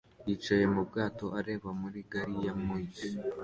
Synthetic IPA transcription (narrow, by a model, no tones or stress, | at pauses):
jit͡ʃaje̞mubɡaːto̞ʔaɾe̞ːβamuɾiɡaɾijamoji